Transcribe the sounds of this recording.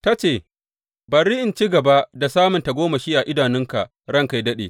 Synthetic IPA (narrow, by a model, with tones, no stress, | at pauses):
ta˦t͡ʃeː˦˨ | bɐ˨rɪ˦ʔɪ˨nt͡ʃi˦ɡɐ˨ba˦ʔda˨saː˦mʊ˨nta˨ɡʷoː˦ma˨ʃi˦ʔa˨ʔɪ˦daː˨nɪ˦ŋka̰˨ʔ | ɽɐ˦˨ŋka˨jdɐ˦ɗḛː˨